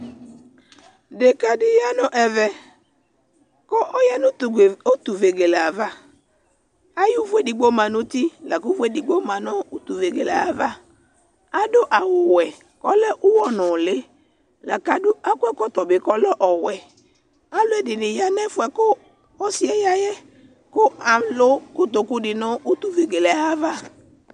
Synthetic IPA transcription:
de˨ka˦dɪ˦ja˦nɔ̃˨ʔɛ˨vɛ˨ | kɔ˦ʔɔ˦jɛ˦nʊ̃˦˨o˦t̪u˨ve˨ɡe˨la˨va˦ | a˦ju˦vu˦e˦di˨ɡ͡bo˦mã˨nʊ̃˦t̪i˦la˨ku˦vu˦e˦di˨ɡ͡bo˦mã˨nɔ̃˦u˦t̪u˨ve˨ɡe˨la̰˨a˨va˦ | a˦do˦ʔa˨wʊ˨wɛ˨ | kɔ˦lɛ˦ʔu˦wɔ˦nɔ̃˨le˦ | la˨ka˦dʊ˦a˦kʷɛ˦kɔ˦t̪ɔ˨bɪ˨kɔ˦lɛ˦ʔɔ˨wɛ˨ | a˦lo˦ɛ˨dɪ˨nɪ̃˨ja˦nɛ˦fu˨ɛ˨ko˦ | ɔ˦si˦ɛ˨ja˦jɛ˦ | ko˦a˨mlo˦kʊ˦t̪o˨ku˦dɪ˨nɔ̃˦u˦t̪u˨ve˨ɡe˨lɛ˨a˦va˦

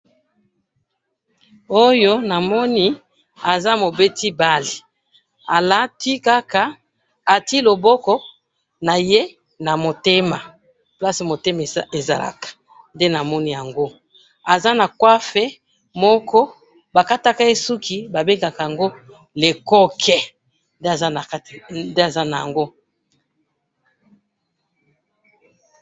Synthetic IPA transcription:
o˦jo˦na˨mɔ˦ni˦ | a˨za˦mo˨be˦ti˦ba˦li˨ | a˨la˦ti˦ka˦ka˨ | a˨ti˦lo˨bɔ˦kɔ˦ | na˨je˦ | na˨mo˨te˦ma˨ | pla˦si˨mo˨te˦ma˨e˨za̰˨la̰˨kḁ˨ | nde˦na˨mɔ˦ni˦ja˨ŋɡo˦ | a˨za˦na˨kwa˦fɛ˦ | mɔ˦kʰɔ˦ | ba˨ka˦ta˦ka˦je˦su˦ki˦ba˨be˦ŋɡa˨ka˨ja˨ŋɡo˦ | le˨kɔ˦kʰɛ˦ | nde˦a˨za˦a˨˦tnde˦a˨za˦na˨ja̰˨ŋɡo˦

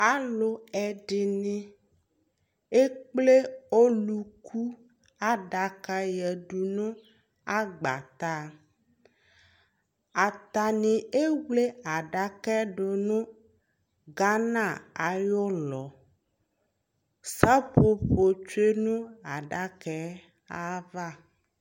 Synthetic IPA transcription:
a˨lo˨ɛ˨ɖɪ˨nĩ˦ | e˦k͡ple˦o˦lu˨kʰu˦ | a˦ɖa˨ka˦jɛ˨ɖu˨nũ˦ | a˦ɡ͡ba̰˨t̪a˦ | a˨t̪a˨nĩ˨e˦wle˦a˨ɖa˨kɛ˦ɖo˨nũ˦ | ɡa˦nã˦˨a˨jɔ˦lɔ˨ | sa˦ɸo˦ɸo˨t͡ʃu˦e˦nũ˦a˨ɖa˦kɛ˦ | a˦va˦

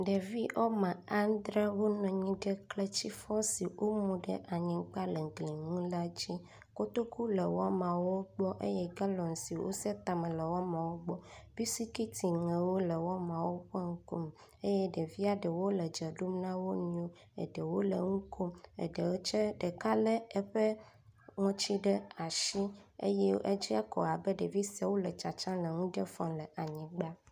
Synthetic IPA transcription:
ɖe˨vi˦ʔɔ˦mã˨a˦n˦d̪ɾe˦wo˦nɔ̃˨ɲĩ˦ɖə˦kle˦t͡ɕi˦fɔ˦si˨wʔo˦mũ˨ɖə̰˦ʔa˨ɲĩ˨˦k͡pa˦le˨ŋ˨ɡlĩ˨ŋũ˦la˦d͡ʒi˦ | ko˦t̪o˦ku˦le˨wɔ˦mã˨wo˦ɡ͡bɔ˦ʔe˦jɛ˦ɡa˦lɔ̃˨n˨si˨wo̰˦sɛ˦t̪a˨me˨lə˨wɔ˦mã˨wo˦ɡ͡bɔ˦b̥i˦si˦ki˦t̪ʰi˨ŋɛ̃˨wo˦lə˨wɔ˦mã˨wo˦ɸɔ˦ŋ̩˦ko˦m | e˦jɛ˦ɖe˨vi˦a˦ɖɛ˨wo˦lɛ˨d͡ʒɛ˨ɖu˦mnã˦wo˦nũ˦o˦ | ḛ˨ɖe˨wo˦le˨ŋũ˦kʰo˦mḛ˨ɖe˨wo˦t͡ʃɛ˦ɖe˨ka˦lɛ˦ɛ˦ɸɛ˦ | ŋɔ̃˦t͡ʃi˦ɖɛ˦a˨ʃi˦ḛ˦jɛ˦ḛ˦d͡ʒi˦a˦kɔ̰˨a˨bɛ˦ɖe˨vi˦sa˨wo˦lɛ˨t͡ʃa˨t͡ʃã˦lɛ˨ŋũ˦ɖɛ˦fɔ̃˨lɛ˨ʔa˨ɲĩ˨ɡ͡ba˦

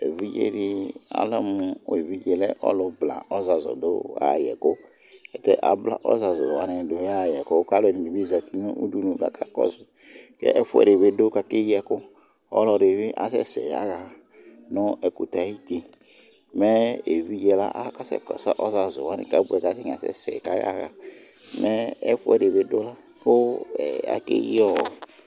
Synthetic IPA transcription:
ḛ˨vi˦d͡ʒḛ˦ɾi˧a̰˨lɔ˦mʊ˨˧˦e˨vi˦d͡ʒɛ˨lɛ˦ʔɔ̰˦lɔ˧bla̰˨ɔ˦za˨zɔ̰˨dʊ̰˦a̰˦˨jɛ̰˨ko˦ | ɛ˨tɛ̰˦ʔa̰˨bla̰˨ʔɔ̰˦za˨zɔ̰˨a˦nɪ˨do˨˦a˦˨jɛ˨ko˦ka˦lɔ˦ni˨ni˨bi˦za˨t̪i˦nʊ˦ʔu˦du˦nũ˨ɡa̰˨kʰa˦kɔ̰˦zʊ˨ | kɛ̰˦ʔɛ˦fʊ˦ɛ̰˨ɾe˨be˦do˦ka˨kɪ˦jɛ˨kʊ˦ | ɔ̰˦lɔ˧ɾe˨βɪ˦ʔa̰˨sɛ̰˦sɛ̰˨ja̰˦ɣa˨ | nʊ˦ʔɛ˨ku˨ta˨˦i˦ti˨ | mɛ˦e˨vi˦d͡ʒɛ˨la̰˦ʔa˦ka˦sɛ̰˨kɔ˨sa˦˨ʔɔ˦za˨zʊ˨wa˨˦nɪ̰˨ka˨˦bu˦ɛ˨ka˨˦ke˦ŋ˨a˨sɛ̰˦sɛ̰˨ka˦ja̰˦ɣa̰˨ | mɛ˦ɛ˦fu˦ɛ˨ɾe˨be˨do˦la˦ | kʊ˦ɛ̰˨a̰˨kḛ˦jɔ˦˨

